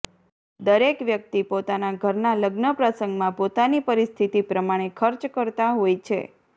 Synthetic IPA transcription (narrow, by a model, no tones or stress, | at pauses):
d̪əɾekʋjək̚t̪ipot̪anaɡʱəɾnaləɡnəpɾəsəŋɡmãpot̪anipəɾist̪ʰit̪ipɾəmaɽ̃ekʰəɾt͡ʃkəɾt̪aɦojt͡ʃʰḛ